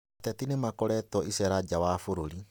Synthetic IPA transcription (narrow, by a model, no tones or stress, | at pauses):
tɛtinemakɔɾɛtɔisɛɾad͡ʑawafoɾoɾi